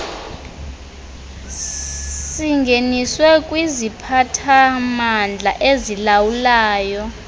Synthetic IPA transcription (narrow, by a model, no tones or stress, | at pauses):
siŋɡʱeniswɛkʼwizipʰatʰamand͡ɮʱaʔezilawulaːjɔ